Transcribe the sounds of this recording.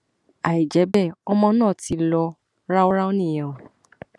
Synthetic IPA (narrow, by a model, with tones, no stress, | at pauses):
a˨i˨d͡ʒɛ˨˦bɛ˦˨ɔ˧mɔ̃˧nãː˦˨ti˧˦lɔ˧ | ɾa˦o˦ɾa˦o˦nĩ˦˨jã˨o˨